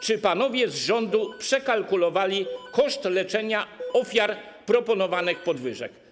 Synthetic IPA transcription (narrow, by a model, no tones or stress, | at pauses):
t͡ʂɘpanɔvʲjɛzʐɔnd̪upʂɛkalkulɔvalʲikɔʂt̪lɛt͡ʂɛɲaɔfʲjaɾ | pɾɔpɔnɔvanɘxpɔd̪vɘʐɛ̰k